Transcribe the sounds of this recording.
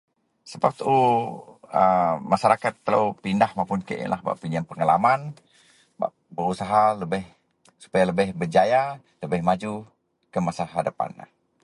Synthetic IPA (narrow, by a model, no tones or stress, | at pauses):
səpap̚t̪u | əmaʃaɾakat̪ːələ̰wpindahmawpʊnkə̰ʔḭla̰hba̰ʔpinianpəŋalaman | ba̰ʔ | bəɾusaɦaləbɪh | su̥pajaləbɪhbərd͡ʒaja | ləbɪhmad͡ʒu | kəmasaɦadapa̰na̰h